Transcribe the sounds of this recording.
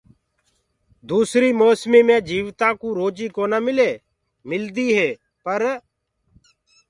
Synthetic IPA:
d̪uːsɾiːmoːsmiːmẽːd͡ʒiːʋt̪ãːkuːɾoːd͡ʒiːkoːnəmɪleː | mɪld̪iːɦeː | pəɾ

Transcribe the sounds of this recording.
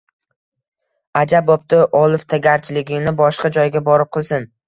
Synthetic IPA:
ad͡ʒabɒp̚t̪ɪʔɒlˠɪft̪ʰaɡʲaɾt͡ʃʰɪlɪɡʲɪnɪbɒʃqɑd͡ʒɒjɡʲabɒɾɪp̚qʰɨlˠsɪn

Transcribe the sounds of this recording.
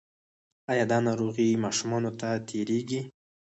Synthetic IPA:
ɑjɑd̪ɑnɑɾoɣimɑʃumɑnot̪at̪ʰeɾeɡi

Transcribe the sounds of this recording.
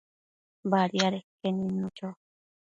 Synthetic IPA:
baɾiaɾekenĩnũt͡ʃo

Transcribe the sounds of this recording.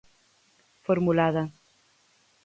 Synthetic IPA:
foɾmulaðɐ

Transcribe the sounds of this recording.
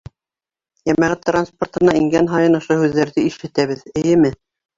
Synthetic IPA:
jæmæʁæt̪ːransport̪ɤ̆nɑiŋɡænɦɑjɤnŏʃohʉðːæɾðɘiʃɘ̆t̪æβɘðɘ̆jɘmɘ

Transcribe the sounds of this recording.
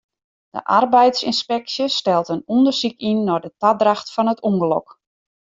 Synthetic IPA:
d̥ə̰ʔa̰rbɛjtsinspɛksjəstɛlˠtənundərsikinːɔdətadraxtfɔnətʰuŋɡəlɔ̰k

